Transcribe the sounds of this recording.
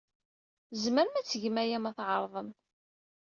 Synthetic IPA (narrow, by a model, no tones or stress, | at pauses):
zməɾmæt͡sːəʝəmæjæmæθʕəɾˤðˤəm